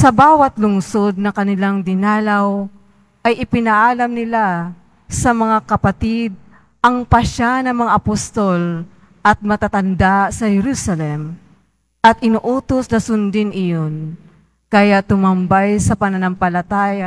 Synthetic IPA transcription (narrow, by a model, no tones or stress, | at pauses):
sɐbaːwɐt̪lʊŋsod̪̚nɐkɐnɪlaŋd̪ɪnaːlaw | ʔɐjʔɪpɪnɐʔaːlɐmnɪla | sɐmɐŋakɐpat̪id̪̚ | ʔɐŋpɐʃanɐŋmɐŋaʔɐpost̪ol | ʔɐt̪̚mɐt̪at̪ɐnd̪asɐhɛɾuːsɐlɛm | ʔɐt̪̚ʔɪnuʔuːt̪osnɐsʊnd̪ɪnɪjon | kɐjat̪ʊmɐmbajsɐpɐnɐnampɐlɐt̪aːja